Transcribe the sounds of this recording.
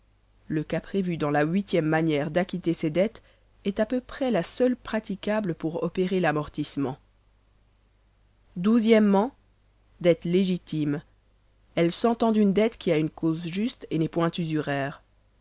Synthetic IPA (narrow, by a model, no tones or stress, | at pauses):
ləkapχevyd̪ɑ̃laɥit̪jɛmːanjɛʁd̪akʲit̪esed̪ɛt̪ | ɛt̪apøpχɛlasœlpχat̪ikʲabləpuʁɔpeʁelamɔʁt̪ismɑ̃ | d̪uzjɛmːɑ̃ | d̪ɛt̪leʒit̪im | ɛlsɑ̃t̪ɑ̃d̪ynd̪ɛt̪kʲiaynkʰozʒyst̪enɛpwɛ̃t̪yzyʁɛːʁ